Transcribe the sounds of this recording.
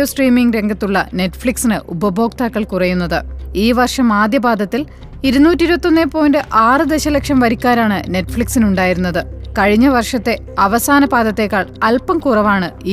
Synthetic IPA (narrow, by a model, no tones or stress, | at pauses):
osʈriːmiŋɡɾe̞ŋɡʱɐt̪ːuɭːɐne̞ʈːfɭiksinɨʔubɐbʱo̞ːk̚t̪aːkːɐɭkurɐjunːɐðɨiːʋɐrʂɐmaːd̪jɐbaːd̪ʱɐt̪ːil | iɾunːuːtːiɾubɐt̪ːo̞nːepːo̞ːjndɨʔaːrɨd̪e̞ɕɐlekʂɐmʋɐɾikʲːaːɾaːɳɨne̞tːfɭiksinuɳɖaːjiɾunːɐðɨkɐɻiɲːɐʋɐrʂɐt̪ːe̞ | ɐʋɐsaːnɐbaːd̪ɐt̪ːe̞ːkːaːɭɐlpɐmkurɐʋaːɳɨi